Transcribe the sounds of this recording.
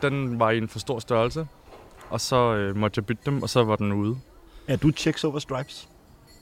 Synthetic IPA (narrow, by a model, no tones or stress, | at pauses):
d̥enʋɑ̈ienfɒ̽sd̥o̝ɐ̰sd̥ɶɐlsə | ʔɒ̽sɒ̽ømɒ̽d̥jaɪb̥yd̥d̥emɒ̽sɒ̽ʋɑ̈d̥enuːð̞ˠæɐd̥ut͡ɕʰeɡ̥soʊʋɐsd̥ʁɑ̈ɪb̥s